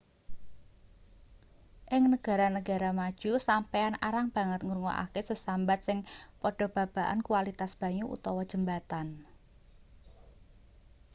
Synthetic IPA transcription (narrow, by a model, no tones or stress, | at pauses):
ʔɪŋnəɡ̥a̤ɾanəɡ̥a̤ɾamad̥ʒ̥usampeanaɾaŋb̥a̤ŋət̪̚ŋurŋɔ̰ʔa̰kesəsambat̪̚sɪŋpɔɖ̥ɔ̤b̥a̤b̥a̤ʔa̰nkualit̪asb̥ä̤ɲuʔṵt̪ɔwɔd̥ʒ̥ə̤mbat̪an